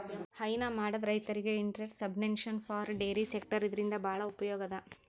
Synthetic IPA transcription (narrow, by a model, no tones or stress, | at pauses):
hɐjnɐmaːɽɐd̪ɾɐjt̪ɐɾiɡe̞iɳʈɾeʈsɐbnenʃɐnfʰaːɾɖeːɾisek̚ʈɐɾid̪ɐɾind̪ɐbʱaːɭɐupɐjɔːɡɐd̪ɐ